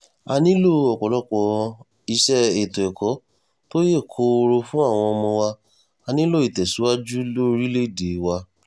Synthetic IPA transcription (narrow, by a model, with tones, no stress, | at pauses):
a˧nĩ˦lo˦˨ɔ˨k͡pɔ˨lɔ˦k͡pɔ˧ | i˧ʃɛ˦e˨to˨ɛ˨kɔ˨˦ | to˦je˦˨kʰo˨˦o˧ɾo˧fũ˦a˦˨w̃ɔ̃˧ɔ˧mɔ̃˧wa˧ | a˧nĩ˦lo˦˨i˨tɛ˨su˨˦wa˦d͡ʒu˦lo˦˧ɾi˦le˦˨de˨˦wa˧